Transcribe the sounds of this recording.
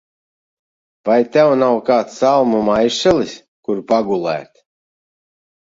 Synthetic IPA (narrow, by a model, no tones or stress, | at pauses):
vajt̪ʲɛwnawkaːt̪salˠmumajʃɛlˠis | kuɾpaɡulˠæ̰ːt̪